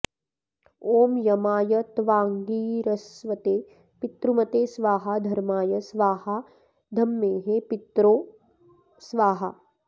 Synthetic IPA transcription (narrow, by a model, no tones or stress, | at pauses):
oːmjɐmaːjɐt̪ʋaːŋɡiːɾɐsʋɐt̪eː | pɪt̪ɾumɐt̪eːsʋaːɦɐd̪ʱɐɾmaːjɐsʋaːha | d̪ʱɐmːeːɦepɪt̪ɾoː | sʋaːɦɐ̰